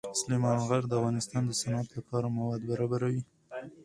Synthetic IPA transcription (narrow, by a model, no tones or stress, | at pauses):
slimɑnɣaɾd̪əavɣɑnɪst̪ɑnd̪əsanat̪lapʰɑɾamawɑd̪baɾɑbaɾawi